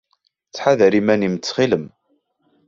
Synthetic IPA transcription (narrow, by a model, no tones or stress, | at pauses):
t͡sːħaðəɾimænimət͡sːχiləm